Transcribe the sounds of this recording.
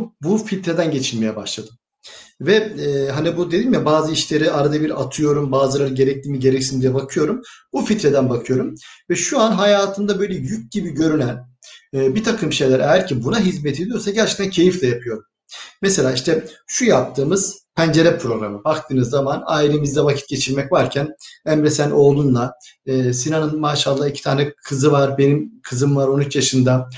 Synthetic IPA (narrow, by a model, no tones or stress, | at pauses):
bufilʲt̪ɾe̞d̪ænɟe̞t͡ʃʰilʲme̞jɛbaʃlˠad̪ɯm | vɛːɦanibud̪ed̪iːmjabaːzɯiʃlʲe̞ɾiaɾad̪abiɾat̪ʰɯjo̞ɾumbaːzɯlˠaɾɯɟe̞ɾɛc̚lʲiːmiɟe̞ɾɛcsind̪ijɛbakʰɯjo̞ɾumbufit̪ɾed̪ænbakʰɯjo̞ɾumvɛʃuanɦajaːt̪ʰɯnd̪abø̞jlʲɛjyc̚ɟibiɟø̞ɾynænːbit̪ʰakʰɯmʃe̞jlʲæɾʔejæɾcʰibunaɦizmet̪ʰed̪ijo̞ɾsaɟæɾt͡ʃʰe̥k̚t̪ancʰe̞jiflʲɛjapʰɯjo̞ɾum | meselʲaːiʃt̪ʰɛʃujap̚t̪ʰɯːmɯz̥pʰænd͡ʒe̞ɾɛpʰɾo̞ɡɾamɯbak̚t̪ʰɯːnɯzːamanaːilʲe̞mizd̪ɛvacʰi̥t̪ɟe̞t͡ʃʰiɾmɛcvaɾcʰænæmɾesænʔo̞ːlˠunlˠaɯːsinanɯnmaːʃalˠːaːicʰi̥t̪ʰaːnɛkʰɯzɯvaɾbe̞nimkʰɯzɯmvaɾo̞nyt͡ʃjaʃɯnd̪a